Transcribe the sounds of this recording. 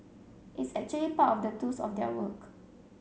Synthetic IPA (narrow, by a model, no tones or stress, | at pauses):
ʔitsɛk̚t͡ʃuəlipatɔfdətusɔ̰fdɛ̰wək